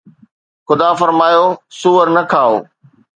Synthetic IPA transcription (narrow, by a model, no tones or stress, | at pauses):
xʊd̪afɐɾmaːjosʊʋəɾnɐkʰaːo̰ː